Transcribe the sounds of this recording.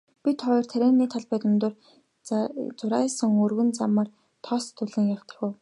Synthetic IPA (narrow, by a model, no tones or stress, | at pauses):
pʲit̪χɔjɞ̆r̥t̪ʰæɾʲæːnːiːt̪ʰaɮpæːt̪ə̆mt̪ʊr | t͡sʊɾaːsə̆ŋɵrɣɵ̆nt͡samə̆r | t̪ʰɔst̪ʰːɵɮɘ̆ŋjaw̥t̪ə̥̆xʲʊ̆w